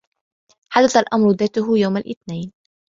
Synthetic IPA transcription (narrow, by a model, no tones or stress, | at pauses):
ħad̪aθalʔamɾˤʊðaːt̪ʊɦʊjawmalʔɪθnaːn